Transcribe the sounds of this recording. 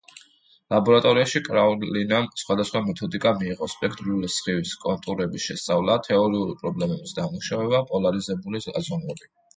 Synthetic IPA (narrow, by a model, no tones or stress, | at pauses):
labɔɾat̪ʼɔɾiaʃikʼɾalinamsχwad̪asχwamɛt̪ʰɔd̪ikʼamiːʁɔspʼɛkʰt̪ʼɾulisχiviskʼɔnt̪ʼuɾɛbisʃɛst̪sʼavlˠat̪ʰɛɔɾiuɾpʼɾɔblɛmɛbisd̪amuʃavɛbapʼɔlaɾizɛbulia̰zɔnvɛbi